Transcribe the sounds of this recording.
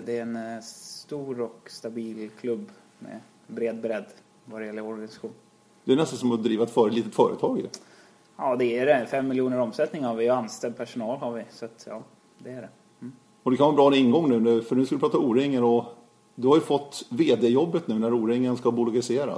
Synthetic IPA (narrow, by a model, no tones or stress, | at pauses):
d̪ɛɾɛnst̪uːɾɔkst̪abiːlkʰlɵbː | mɛ̰ | bɾeːd̪̚bɾɛd̪ː | vadɛjɛlːəɾɔɾɡanɪsḁɧuːn | d̪̥ɛænɛst̪ansɔmɔd̪ɾiːvaɛt̪fœːɾətliːt̪ət̪fœːɾə̰t̪ʰɑːɡjɵ̰ | ɑːd̪ɛæɖɛfɛmːɪljuːnəɾɔmsɛlt̪nɪŋhaɾvɪjanst̪ɛld̪̚pʰæʂʊnɑːlhaɾvɪsat̪ʰjɑ̰ː | d̪ɛæɖɛ | ɔd̪ɛkʰanɑːbɾɑːɾɪŋːɡɔŋːnʉ̟ːnʉfœɳʉ̟ːskald̪əpɾɑːt̪auːɾɪŋːəɾɔ | d̪ɵhaɾjɵfɔt̪ːveːd̪eːjɔbːət̪nʉ̟ːnæɾuːɾɪŋːənskabʊlʊɡaɾɪseːɾa̰